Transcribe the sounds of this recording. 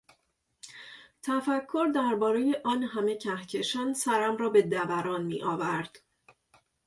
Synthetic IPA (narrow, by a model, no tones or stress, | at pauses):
t̪ʰæfækʰːo̞ɾd̪æɾbɒːɾejeʔɒːnɦæme̞cʰæhcʰe̞ʃænsæɾæmrɒːbe̞d̪ævæɾɒːnmiːʔɒːvæɾd̪̥